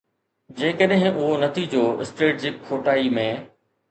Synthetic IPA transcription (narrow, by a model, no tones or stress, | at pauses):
d͡ʑeːkəɗɦɪ̃ʊɦonɐt̪ʰid͡ʑoːɪ̰sʈeːʈ̚d͡ʑɪkʰːoːʈaːimẽː